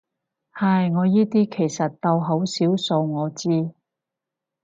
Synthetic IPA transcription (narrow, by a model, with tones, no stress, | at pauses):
hɐ˨˩jŋɔː˨˧jiː˥t̪iː˥kʰe˨˩jsɐ˨t̚t̪ɐ˧wɦo˨˥wsiː˨˥wso˧wŋɔː˨˧t͡siː˥